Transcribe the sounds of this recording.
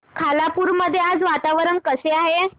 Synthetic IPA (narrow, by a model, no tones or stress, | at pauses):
kʰalapuɾməd̪ʱːjead͡zʋat̪aʋəɾəɳkəseaɦe